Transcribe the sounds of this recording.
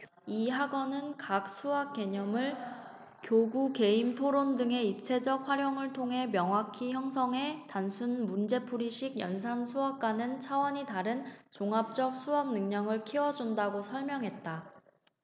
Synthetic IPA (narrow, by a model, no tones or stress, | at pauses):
iɦaɡʌnɯnkak̚s͈ʰuak̚k͈e̞ɲʌmɯɭ | kjoɡuke̞imtʰoɾondɯŋe̞ip̚t͡ɕʰe̞d͡ʑʌk̚ɸwaɾjoŋɯɭtʰoŋɦe̞mjʌŋɦwakʰiçjʌŋs̬ʰʌŋɦe̞tansʰunmund͡ʑe̞pʰuɾiɕʰiɡjʌ̰ns̬ʰansʰuap̚k͈anɯnt͡ɕʰawʌɲitaɾɯnt͡ɕoŋap̚t͡ɕ͈ʌk̚sʰuɦam̚nɯŋɲʌŋɯɭkʰiwʌd͡ʑundaɡosʰʌɭmjʌŋɦe̞t̚t͈a